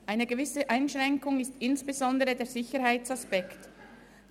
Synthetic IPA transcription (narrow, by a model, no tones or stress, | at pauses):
ʔaɪnəɡəvɪsəʔaɪnʃʁ̥ɛŋkʊŋɪstɪnsb̥ezɔndəʁədeːɹz̥ɪçəɾhaɪt͡saspɛkt